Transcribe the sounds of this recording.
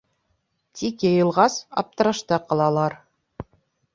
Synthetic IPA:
t̪ʲikjɤ̆jɤ̆lˠʁɑsɑ̰p̚t̪ɤ̆ɾɤ̆ʃt̪ɤqɑlˠɑlˠɑɾ

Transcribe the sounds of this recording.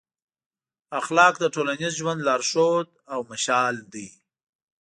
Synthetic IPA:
axlɑːk̚d̪əʈolanɪzʒwand̪lɑːɾʃod̪̚awmaʃɑːld̪i

